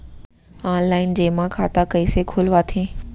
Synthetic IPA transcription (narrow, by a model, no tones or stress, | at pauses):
aːnlaːɪnd͡ʑeːmãkʰaːt̪akɐisekʰʊlʋat̪ʰẽː